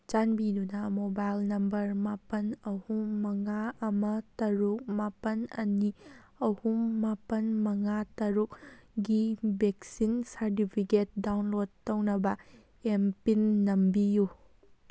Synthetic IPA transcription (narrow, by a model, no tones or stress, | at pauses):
t͡ʃanbidunɐmobajlnɐmbɐɾmapɐnɐhumːɐŋaɐmɐtɐɾuk̚mapɐnɐ̰ni | ɐhumːapɐnmɐŋatɐɾukɡibek̚sinsaɾt̬ipʰiket̚dawnlod̚tːɐwnɐbɐ | empinːɐmbiju